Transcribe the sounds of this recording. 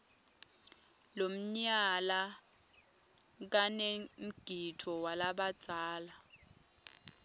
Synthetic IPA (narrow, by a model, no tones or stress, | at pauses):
lom̩ɲala | k̬anem̩ɡ̥ʱitʰɔwalaɓḁt͡sʼaːla